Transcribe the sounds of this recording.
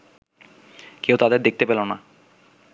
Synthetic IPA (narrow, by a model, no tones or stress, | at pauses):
kewt̪ad̪eɾd̪ek̚t̪epelona